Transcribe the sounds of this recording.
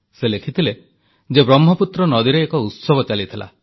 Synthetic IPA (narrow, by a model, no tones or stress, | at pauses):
selekʰit̪ʰile | d͡ʒebɾɔmːɔput̪ɾɔnɔd̪iɾeːkɔut̪sɔbɔt͡ʃalit̪ʰila̰